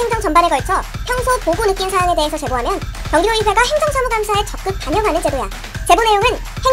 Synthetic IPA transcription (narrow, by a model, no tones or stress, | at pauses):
eŋd͡ʑʌŋt͡ɕʌmbaneɡʌɭt͡ɕʰʌpʰjʌŋsʰopobonɯk͈insʰaɦwaŋe̞deɦesʰʌt͡ɕe̞boɦamjʌnkjʌŋɡioiwe̞ɡaɦe̞ŋd͡ʑʌŋsʰamuɡamsʰae̞t͡ɕʌp̚k͈ɯp̚k͈aɲʌŋɦanɯnt͡ɕe̞doja | t͡ɕe̞bone̞joŋɯn | he